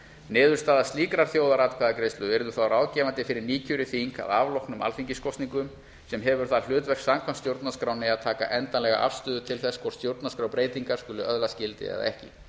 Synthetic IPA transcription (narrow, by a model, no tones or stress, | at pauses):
nɪːðʏɾ̥st̪aːðast̪iːkɾaɾ̥θjoːwðaɾat̪kʰvɛːðakɾejst̪ʏɛɾðʏθawɾaːwcɛːvant̪ɪfɪɾɪɾniːcʰʏɾɪθiŋka̰ðavlowhknʏma̰lfiɲcɪskɔwst̪niŋkʏm | sɛmɦɛvʏɾ̥θaðl̥ʏːt̪vɛr̥ksamkʰvanst̪jowɾt̪naskɾaːwnɪaðt̪ʰaːka̰ʔɛnt̪anlɛɣa̰ʔa̰v̥st̪ʏːðʏt̪ʰɪlθɛskʰvɔɾ̥st̪jowɾt̪naskɾaːwpɾeːjt̪iŋkaɾ̥skʏːlʏʔœðlascɪlt̪ɪ̰ɛ̰ða̰ɛhcɪ̰